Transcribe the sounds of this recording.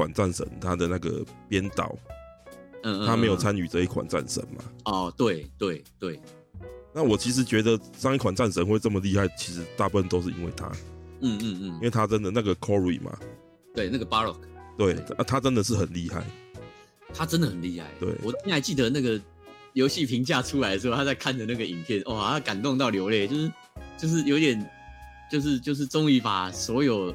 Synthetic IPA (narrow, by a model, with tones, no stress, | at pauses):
wa̰˨˩nt͡sa˥˩nʂə̰˧˦nt̪ʰa˦d̪ə˨˦na˥˩ɡə̰˩pjɛ˦nt̪ɑ̰˨˩˦ʊ˥˧ | a˦me˧˥ɪjt͡sʰa˦ny˨˩ʈ͡ʂə˧i˥˩kʰwa̰˨˩nt͡sa̰˥˩nʂə̰˧˦nma̰˨ɔ˨˩t̪we˥˩ɪt̪we˥˩ɪt̪we˥˩ɪ | na˥˩˨wɔ˨˩t͡ɕʰi˧˥ʂ̬ɻ̩˨˥t͡ɕɥɛ˧˥d̪ə˨ | sɑ˥˧ŋi˥˩kwa˨˩nt͡sa˥˩˨nʂə˧˦nxwe˥˧ɪʈ͡ʂə˥˩mə˩li˥˧ha˥˩ɪt͡ɕʰi˧˥ʂɻ̩˧˦˥t̪a˥˧pu˥˩fə˥˩nt̪o˥ʊʂ̬ɻ̩˥˩ḭ˦˥nwe˥˩ɪt̪ʰa̰˦in̩˥˧˥we˥˩ɪt̪ʰa˥ʈ͡ʂə˦nd̪ə˨na˥˩ɡə˨kʰɔ˦ɹḭ˨mʔa̰˨˩ | t̪we˥˩ɪna˥˩ɡə˩pa˥ɹɔ̰˨˩kʰt̪we˥˩ɪa˥˧t̪ʰa˦ʈ͡ʂə˦nd̪ə˨ʂ̬̩˥˩xə˨˩nli˥˧xa̰˥˩ɪ | t̪ʰa˥ʈ͡ʂə˥nd̪ə˨xə˨˩nli˥˧ha̰˥˩ɪt̪wḛ˥˩ɪwɔ˨˩˥ɛ˥na˧˥ɪt͡ɕi˥˩d̪ə˩na˥˩ɡə˩ | jo˧˥ʊɕi˥˩pʰi˧˥ŋt͡ɕja˥˧˩ʈ͡ʂʰu˥la˧˥də˧ʂ̩ʰ˧˥˧a˥t͡sa˥˧ɪkʰa˥˩nd̪ə˩na˥˩ɡə˩i˨˩npʰjɛ˥˩nʔwɔ˥˨a˥˩ka˨˩nt̪ʊ˥˧ŋt̪̬ɑ˥˩ʊljo˧˥ʊle˥˩t͡ɕjo˥˧ʊʂɻ̩˥˩ | t͡ɕjo˥˧ʊʂ̬ɻ̩˥˩jo˧˥t̪jɛ˨˩n | t͡ɕjo˥˧ʊʂ̬ɻ̩˥˧t͡ɕjo˥˧ʊʂ̬̩˥˩ʈ͡ʂʊ˥ŋi˧˥pa˨˩swɔ˧˥jo˨˩ʊ